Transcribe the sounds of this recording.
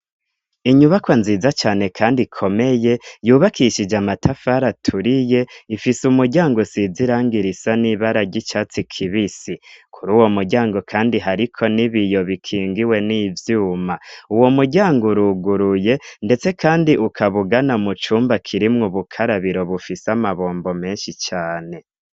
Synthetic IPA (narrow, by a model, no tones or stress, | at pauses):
iɲuβakwanziːzat͡ʃaːne̞kʰaːndikʰo̞me̞je̞juːβakʰiʃid͡ʒamatʰafaɾatʰuɾije̞ifisumuɾɟaːŋɡosiziɾaːŋɡiɾisaniβaɾaɟit͡ʃat͡sikʰiβisikʰuɾuːwo̞muɟaːŋɡo̞kʰaːndiɦaɾikʰo̞niβijo̞βikʰiːŋɡiwe̞niːvjuːmauwo̞muɟaːŋɡoɾuɡuɾuje̞nde̞t͡se̞kʰaːndiʔukʰaβuɡanamut͡ʃuːmbakʰiɾimŋuβukʰaɾaβiɾo̞βufisamaβo̞ːmbo̞me̞ːnʃit͡ʃaːne̞